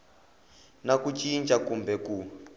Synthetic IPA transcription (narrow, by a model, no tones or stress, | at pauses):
nakut͡ʃʼint͡ʃʼakumbɛku